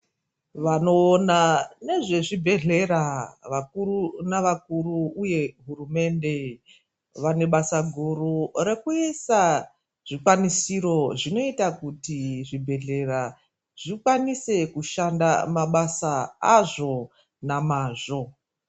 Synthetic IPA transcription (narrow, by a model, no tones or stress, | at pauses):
ʋano̞ːnane̞ʐe̞ʐibʱe̞ɮe̞ɾaʋakuɾunaʋak̚uɾuːje̞ɦurume̞nde̞ | ʋane̞ɓasaɡʱurure̞kuisa | ʐ̥ikwanisiɾo̞ʐino̞itakutiʐibʱe̞ɮe̞ɾa | ʐ̥ikwanise̞kuʃanda̰maɓasaaʐo̞ | namaːʐo̞